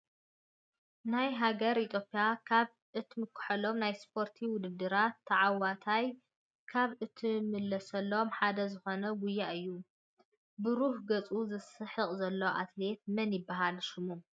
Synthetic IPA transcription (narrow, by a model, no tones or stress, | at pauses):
najɦaɡɐɾit̪ʰjo̞pʼijakʰaβ | ʔɨt̪ʰmɨkʰːʊ̥ħɐlo̞mnajspʰo̞ɾt̪ʰiwʊd̪ɨd̪ːɨɾat̪ʰːɐʕawat̪ʰaj | kʰaβɨt̪ʰimɨlːɐsɐlːo̞mħad̪ɐzɨxo̞nɐɡʊjːaʔɨjːu | bɨɾuhɡɐt͡sʼuzɨsɨħɨqʼzɐlːɐʔa̰t̪le̞t̪̚mɐnjɪbːaɦalʃɪmu